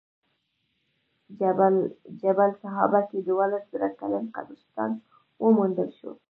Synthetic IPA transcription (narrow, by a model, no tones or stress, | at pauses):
d͡ʒabalsaɦɑ̰baked̪uwalaszaɾakalənqa̰d̪ʊst̪ɑ̰n | wəmund̪əlʃo̰